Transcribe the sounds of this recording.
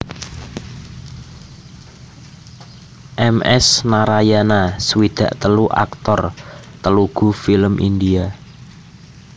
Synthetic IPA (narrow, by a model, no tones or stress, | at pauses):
ʔɛmʔɛ̰snaɾajanasəwid̪̥ä̤ʔt̪əluʔa̰kt̪ɔrt̪əluɡ̥ṳfiləmʔḭnd̪ia